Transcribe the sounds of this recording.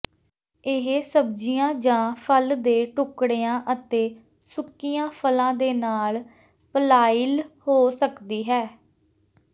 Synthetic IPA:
ɪɦesəb̚d͡ʒijãːd͡ʒãːpʰəld̪eːʈʊkɽeːãːʔət̪eː | sʊkːijãːpʰəlãːd̪eːnaːl | pəlaːɪlhoːsəkd̪iːɦɛː

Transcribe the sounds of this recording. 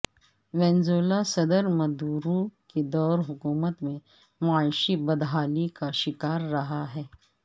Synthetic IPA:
ʋɛ̃ːnzoːlasɐd̪əɾmɐd̪uːɾũked̪ɔːɾɦʊkuːmət̪mẽ | maːlʃibɐd̪ɦaːlikaʃɪkaːɾːɐɦaɦɛː

